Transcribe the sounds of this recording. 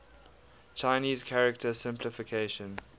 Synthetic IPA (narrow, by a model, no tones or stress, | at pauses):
t͡ʃʰaɪniːzkʰaɹɛk̚tʰəsɪ̃mpʰlɪfɪkʰeɪʃə̃n